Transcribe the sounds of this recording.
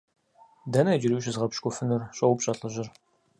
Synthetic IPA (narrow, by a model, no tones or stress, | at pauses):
dɐnɐd͡ʒɪɾiɕzʁɐpʃkʷʼʊfɨnɨrɕʼɐwpɕʼɐɬʼɨʑɪr